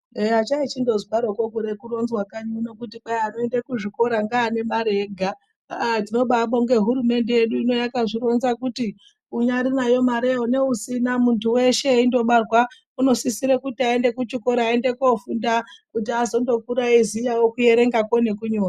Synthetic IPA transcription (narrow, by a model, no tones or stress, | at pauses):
at͡ʃait͡ʃindo̞zikaɾokokuɾekuro̞nzwakaɲunokutiɓajano̞endekuʐiko̞ɾaŋɡaːne̞maɾeɡʱa | tino̞ɓaɓoŋɡe̞ɦuɾume̞nde̞jeɗuino̞jakaʐiɾo̞nzakuti | uɲaɾinajo̞maɾeone̞usinamuntuwe̞ʃe̞indo̞ɓarwa | uno̞sisiɾekutiae̞nde̞kut͡ʃikoɾaːende̞kofundakutiazo̞ndo̞kuɾaizijawokuje̞ɾe̞ŋɡakone̞kuɲoːna